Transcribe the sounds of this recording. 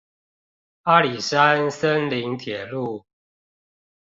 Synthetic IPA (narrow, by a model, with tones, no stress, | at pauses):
a˦li˨˩sa˦nsə˦nli˨˦ŋt̪ʰjɛ˨˩lu˥˨